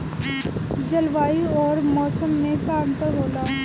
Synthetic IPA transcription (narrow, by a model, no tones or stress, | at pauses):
d͡ʒɐlʋaːiɔːɾmɔːsəmnẽkaːmt̪əɦoːlaː